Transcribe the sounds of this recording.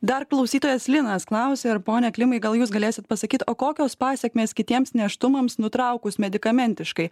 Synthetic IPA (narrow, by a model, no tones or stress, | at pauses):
d̪ɐɾklˠɐʊsʲiːt̪oːjɛslʲɪnɐsklˠɐˑʊsʲeːɪɾpoːnʲɛklʲɪmɐɪɡɐlˠjuːsɡɐlʲeːsʲɪt̪̚pɐsɐkʲiːt̪oːkoːkʲoːspɑːsʲɛkʲmʲeːskʲɪt̪ʲiɛmsnʲɛʃt̪ʊmɐmsnʊt̪ɾɐʊkʊsmʲɛd̪ʲɪkɐmʲɛnʲt̪ʲɪʃkɐɪ